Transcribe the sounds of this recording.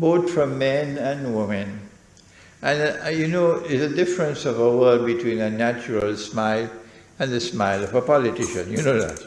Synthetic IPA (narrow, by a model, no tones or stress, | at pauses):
boːt̪fɹʌ̃mːɛ̃næ̃nwɪmə̃n | ʔæ̃njunoːɪzədɪfɹə̃nsɔvəwəbitʰwĩːnənæt͡ʃəɹəlsmaɪl | æ̃nðəsmaɪlʌvəpɔlɪtɪʃə̰̃njunoːðæ̰t